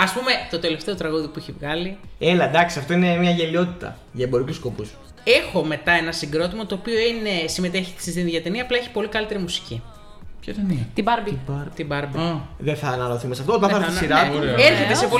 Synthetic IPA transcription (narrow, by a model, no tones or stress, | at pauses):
ɐspume̞t̪o̞t̪e̞le̞ft̪eot̪ɾɐɣoðipuiçevɣɐlielɐd̪ɐksiɐft̪oinemɲɐʝelio̞t̪it̪ɐ̰ | ʝɐebo̞ɾikusko̞pus | e̞xo̞me̞t̪ɐe̞nɐsiŋɡɾo̞t̪imot̪o̞ːpio̞ine̞sime̞t̪e̞çi̥t̪i̥sist̪inðʝɐt̪eniɐːplɐeçi̥po̞likɐlit̪e̞ɾimusi̥ci | pçoenit̪ibɐɾbibɾt̪ibɐɾbiðeθɐːnɐloθumesɐft̪oot̪ɐ̃θɐɾsiɾɐeɾçet̪essepo